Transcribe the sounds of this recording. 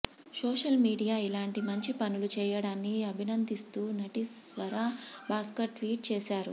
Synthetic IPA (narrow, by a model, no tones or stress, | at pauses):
soːʂɐlmiːɽijaːilaːɳʈimɐɲt͡ʃipɐnulut͡ʃɛːjɐɽaːnːiɐbʱinɐnd̪ist̪uːnɐʈisʋɐɾaːbaːskɐʈːʋiːʈ̚t͡ʃɛːʃaːɾṵ